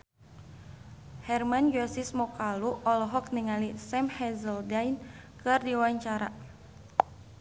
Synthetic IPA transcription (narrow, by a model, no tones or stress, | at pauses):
hɛrmand͡ʒuasismɔkaluʔɔlɔɦɔk̚niŋalisɛmhɛzəldajnkɨrdiwaɲt͡ʃaɾa